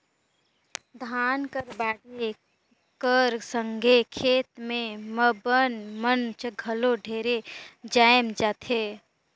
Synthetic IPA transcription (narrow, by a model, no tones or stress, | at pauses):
d̪ʱaːnkəɾbaːɽe | kəɾsə̃ŋɡʱekʰeːt̪mẽməbənmənt͡ʃɡʱɐloɖʱeːɾed͡ʒaːjmd͡ʒaːt̪ʰɦeː